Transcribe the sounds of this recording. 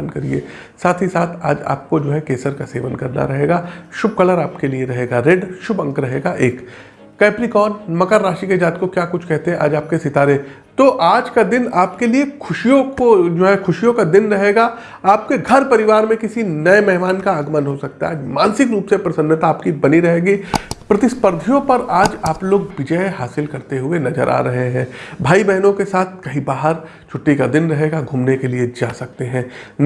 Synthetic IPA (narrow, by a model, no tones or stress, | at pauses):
nkɐɾiḛː | saːt̪ʰɦisaːt̪ʰa̰ːd͡ʒa̰ːp̚kod͡ʒoːɦɛkeːsəɾkaseːʋənkɐɾna̰ɾɐɦeːɡaːʃʊb̚kɐləɾaːpkelieɾɐɦeːɡaɾeɖʃʊbɐ̃ŋkɾɐɦeːɡaʔeːkː | ɛːpɾikɔːnmɐkəɾːaːʃiked͡ʒaːt̪̚kokjaːkʊt͡ʃʰkɛɦt̪eɦɛ̃a̰ːd͡ʒaːp̚kesɪt̪aːɾe | t̪oʔaːd͡ʒkad̪ɪnaːpkeliekʰʊʃijõkod͡ʒoːɦɛkʰʊʃijõkad̪ɪnɾɐɦeːɡa | aːp̚keɡʱɐɾpɐɾɪʋaːɾmẽkɪsinɐemɛɦmaːnkaaːɡmənɦosɐk̚t̪aaːd͡ʒmaːnsɪkɾuːpsepɾɐsə̃nːət̪aaːpkibɐniɾɐɦeːɡipɾɐt̪ɪspəɾd̪ʱijõpɐɾaːd͡ʒaːploːɡʋɪd͡ʒəeɦaːsɪlkɐɾt̪eɦʊenɐzə̰ɾʔa̰ːɾɐɦeɦɛ̃ːbʱaːibɛɦnõkesaːt̪̚ʰkɐɦĩbaːɦəɾ | t͡ʃʰʊʈːikad̪ɪnɾɐɦeːɡaɡʱuːmnekelied͡ʒa̰ːsɐk̚t̪eɦɛ̃ːn